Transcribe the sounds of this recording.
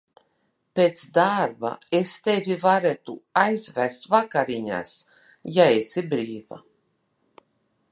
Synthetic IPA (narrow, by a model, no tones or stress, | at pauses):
pʲet̪sd̪aɾba̰est̪evʲivaɾet̪uajzvæst̪vakaɾiɲa̰s | jaesibɾiːva̰